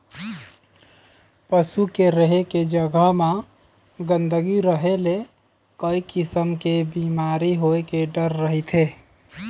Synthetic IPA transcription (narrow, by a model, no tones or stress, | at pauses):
pəsukeɾəɦeked͡ʒəɡʱama | ɡənd̪əɡiɾəɦele | kəikisəmkebimaɾiɦoekeɖəɾːəɦit̪ʰe